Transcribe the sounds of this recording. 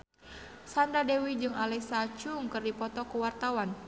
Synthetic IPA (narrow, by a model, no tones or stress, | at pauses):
sandɾadewid͡ʒɨŋalɛsat͡ʃuŋkɨrdipɔt̪ɔkuwart̪awan